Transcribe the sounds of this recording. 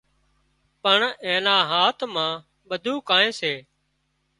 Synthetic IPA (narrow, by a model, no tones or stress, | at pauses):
pəɳẽːnãːɦaːt̪ʰmãː | ɓəd̪ʱuːkaːẽːseː